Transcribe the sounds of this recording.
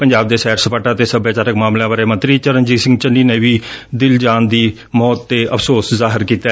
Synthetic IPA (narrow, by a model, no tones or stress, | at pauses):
pəɲd͡ʒaːb̚d̪eːsɛːɾsəpaːʈãːt̪eːsəbjaːt͡ʃaːɾəkmaːmlãːʋəɾeːmənt̪ɾiːt͡ʃəɾənd͡ʒiːsɪ̃ŋɡt͡ʃənːiːneːʋiːd̪ɪld͡ʒaːnd̪iː | mɔːt̪ːeːʔəpʰsoːszaːɦɪɾkiːt̪a